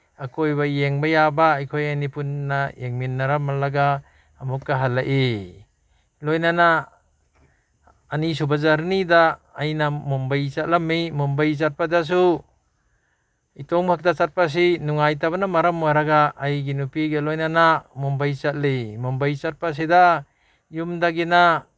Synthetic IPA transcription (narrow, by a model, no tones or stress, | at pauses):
akʰojbajeŋbajabaːjkʰojanipunːajeŋminːaɾamalaɡaː | mukːaɦalːaʔe | lojnana | nis̬ubazaɾnidaːjnamɔmbajt͡ʃat̚lamːijmɔmbajt͡ʃat̚padas̬u | itɔŋpʰak̚dat͡ʃat̚pas̬inuŋajtabanamaɾamːaɾaɡaːjɡinupiɡelɔjnanamɔmbajt͡ʃat̚lejmɔmbajt͡ʃat̚pas̬eda | jumdaɡina